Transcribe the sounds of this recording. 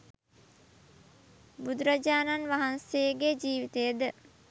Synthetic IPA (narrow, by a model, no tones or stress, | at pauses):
bud̪uɾad͡ʒaːnanʋaɦansejɡed͡ʒiːʋit̪ejəd̪ə